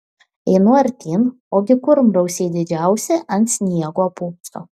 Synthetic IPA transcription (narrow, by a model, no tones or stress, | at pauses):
ɛɪnʊɐɾʲt̪ʲiːn | oːɡʲɪkʊɾmɾɐʊsʲeːd̪ʲɪd͡ʒʲæˑʊsʲɛʔɐnt̪ʲsʲnʲiɛɡoːpuːkst̪o̰